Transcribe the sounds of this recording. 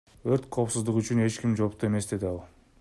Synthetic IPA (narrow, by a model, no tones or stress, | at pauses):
øɾt̪qʰo̞ːpsuzd̪uʁyt͡ʃyne̞t͡ʃkimd͡ʒo̞pt̪ue̞me̞sd̪e̞d̪iɑlˠ